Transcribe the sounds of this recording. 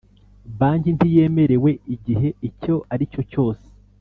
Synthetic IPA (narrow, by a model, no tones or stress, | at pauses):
βaːɲɟintije̞me̞ɾewe̞iɟiɦe̞ico̞aɾico̞co̞ːse̥